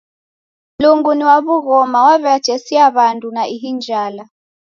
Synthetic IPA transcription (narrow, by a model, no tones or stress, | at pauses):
luŋɡuniwaβuɣɔmawaβɛad̥ʒ̥ʱɛsiaβantʼunaʔiɦind͡ʒʱaːla